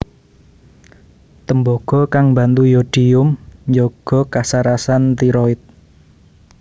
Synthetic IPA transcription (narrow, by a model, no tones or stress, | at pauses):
t̪əmbɔɡ̥ɔ̤kaŋmba̤nt̪ujodɖ̥iʊmɲd͡ʒoɡ̥ɔ̤kasaɾasant̪iɾɔɪt̪̚